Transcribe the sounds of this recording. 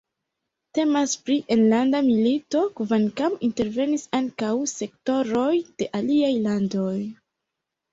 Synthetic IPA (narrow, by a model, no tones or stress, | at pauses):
te̞maspɾiʔenlandamilito̞kvankaminte̞ɾve̞nisaŋkawse̞k̚to̞ɾo̞jd̥e̞ʔaliajlando̞j